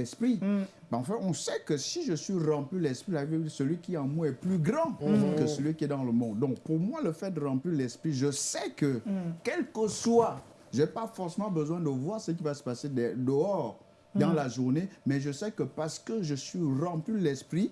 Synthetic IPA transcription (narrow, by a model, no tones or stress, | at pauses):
ɛspχi | ɑ̃fɛ̃ɔ̃sɛkəsiʒəsɥiʁɑ̃plylɛspχilavisəlɥikʲiɛɑ̃moɛplyɡʁɑ̃kəsəlɥikʲiɛd̪ɑ̃ləmɔ̃d̪̚ːɔ̃k̚puʁmwaləfɛt̪̚d̪əʁɑ̃plilɛspχiʒəsɛkəkɛlkəswa | ʒepafɔʁsemɑ̃bəzwɛ̃d̪əvwaʁsək̬ʲivasə̥pased̪ɛd̪əɔʁ | d̪ɑ̃laʒuʁnemɛʒəsɛkəpaʁsə̥kəʒəsɥiʁɑ̃plylɛspχi